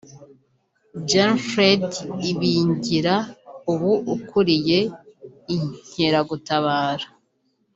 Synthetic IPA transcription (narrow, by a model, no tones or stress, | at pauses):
d͡ʒanfɾediβiɲɟiɾauβuʔukʰuɾije̞iɲ̥heɾaɡutaβaːɾa